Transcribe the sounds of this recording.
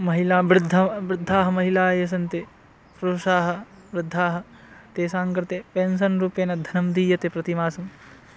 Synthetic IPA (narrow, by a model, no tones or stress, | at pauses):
mɐɦilaːbɾɪd̪ʱːɐbɾɪd̪ʱːaːɦɐmɐɦilaːjeːs̬ɐnt̪e | pɾuːʂaːɦɐ̆ | ʋɾɪd̪ʱːaːɦɐ̆ | t̪eːsaːŋkɾɪt̪eːpeːnsɐnɾuːpeːnɐd̪ʱɐnɐmd̪iːjɐt̪epɾɐt̪imaːsɐm